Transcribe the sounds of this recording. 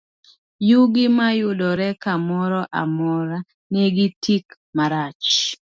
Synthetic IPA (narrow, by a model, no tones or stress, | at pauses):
juɡɪmajʊdɔɾɛkamɔɾɔʔa̰mɔɾa | neɡɪtʰik | maɾat͡ʃ